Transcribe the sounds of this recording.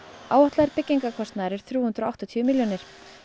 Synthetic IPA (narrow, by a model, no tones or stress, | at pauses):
aːwaht̪laðɛɾpɪcːiŋkakʰɔst̪naðɾɛɾ̥θɾjuːhʏnt̪ɾɔawht̪ɔt̪ʰiʏmiljɔnɪɾ̥